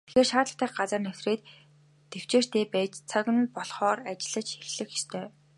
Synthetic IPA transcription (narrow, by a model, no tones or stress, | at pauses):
t̪ʰe̥xeːrʃaːt̪ɮə̆t̪æːχɢat͡sə̆rnœw̥sreːt̪ː | ew̥t͡ɕeːr̥t̪ʰeːpæːt͡ɕt͡sʰœkʲɘ̆npɔɮχɔːrat͡ɕɪ̆ɮə̆t͡ɕxexɮɘ̆xxist̪ʰœː